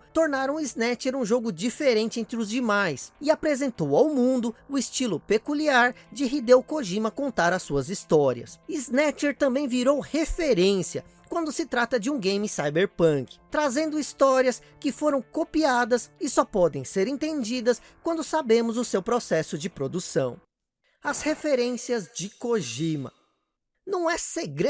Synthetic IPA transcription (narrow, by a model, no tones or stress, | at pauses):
t̪oɾnaɾɐ̃w̃iznɛt͡ʃeɾũʒoɡʊd͡ʒifeɾẽnt͡ʃɪẽnt̪ɾɪʊzd͡ʒɪmajsɪapɾezẽnt̪owawmũnd̪ʊʊɪst͡ʃilʊpekuliaɾd͡ʒɪɦid̪ewkoʒĩmɐkõnt̪aɾɐsːuɐzist̪ɔɾḭɐ̰siznɛt͡ʃeɾt̪ɐ̃mbẽj̃viɾowhefeɾẽsiɐ̰ | kwɐ̃nd̪ʊsɪt̪ɾat̪ɐd͡ʒɪũɡẽj̃misajbeɾpɐ̃kɪ̥t̪ɾazẽnd̪ʊist̪ɔɾiɐs | kɪfoɾɐ̃w̃kopiad̪ɐsɪsɔpɔd̪ẽj̃seɾẽnt̪ẽd͡ʒid̪ɐs | kwɐ̃nd̪ʊsabẽmʊzʊsewpɾosɛsʊd͡ʒɪpɾod̪usɐ̃w̃ | ɐshefeɾẽsiɐzd͡ʒɪkoʒimɐ | nɐ̃w̃ɛseɡɾe